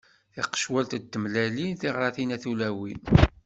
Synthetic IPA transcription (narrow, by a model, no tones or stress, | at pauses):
θɪqə̥ʃwælt̪d̪ːəmlælinθɪʁɾˤɑθinæθulæwin